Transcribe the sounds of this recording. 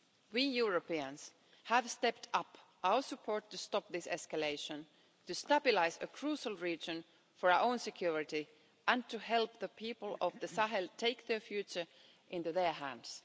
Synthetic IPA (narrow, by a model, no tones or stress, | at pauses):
wijuɹəpiə̃ns | hævstɛp̚tʰʌpʔaʊə˞sɨpʰɔɹtːɨstɔp̚ðɪsɛskəleɪʃə̃n | tɨstabɪlaɪzəkʰɹ̥uʃəl̩ˠɹid͡ʒɨ̃n | fə˞ʊʔõʊ̃nsɨkʰj̥uɹɪti | ʔæ̃ntʰɨɦɛlˠp̚ðəpʰipəl̩ˠʌvðɨsaɦɛltʰeɪk̚ðə˞fjʉt͡ʃə˞ | ʔɪ̃ntuðə˞ɦæ̰̃ndz̥